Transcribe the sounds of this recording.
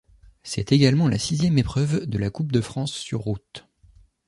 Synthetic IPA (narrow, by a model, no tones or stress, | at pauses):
sɛt̪eɡalmɑ̃la̰sizjɛmepχœvd̪əlakup̚d̪əfχɑ̃sːyʁːut̪